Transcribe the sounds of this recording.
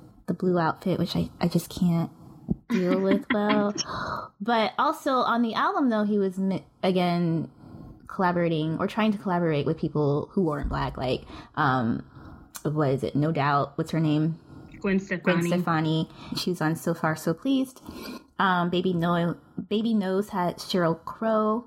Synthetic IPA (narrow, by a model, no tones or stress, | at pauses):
ðəbluaʊtfɪʔwɨt͡ʃaɪʔaɪd͡ʒʌskʰæ̃nt̚d̥ilˠwɪðwɛlˠ | b̥ʌɾɔlˠsoʊʔə̃nðiʔælˠbə̃mðoʊiwʌzmɪ | ɨɡɛ̃n | kʰəlæbə˞eɪɾɪ̃ŋʔə̰˞tʰɹ̥aɪɪ̃ŋtʰɨkʰəlæbə˞eɪʔwʔɨð̥pʰipl̩ˠhuwə˞ɨ̃nb̥læ̰kla̰ɪkʔʌ̃m | wʌɾɪzɪ̰tⁿnoʊdaʊt̚wʌtz̥ə˞nẽɪ̃mɡ̥wɪ̃nstɛ̥wɪ̃nstɛfɑniʃizə̃nsoʊfɑɹsoʊpʰl̥izd̥ʔʌ̃mbeɪbino | b̥eɪbinoʊz̥hɨd̥ʃɛɹokʰɹ̥oʊ